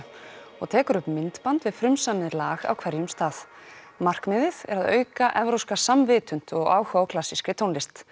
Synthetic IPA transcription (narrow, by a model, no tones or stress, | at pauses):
ɔ̰ɣt̪ʰɛːkʏɾʏpmɪnt̪pant̪vɪð̥fɾʏmsamɪðɪlaːɣa̰wkʰvɛɾjʏmst̪aːθ | mar̥kmɪːðɪðɛ̰ɾaðœːɥkaʔɛvɾowskasamvɪːt̪ʏn̥t̪ɔɣaːwhawkʰlasːiskɾɪt̪ʰonlɪst̪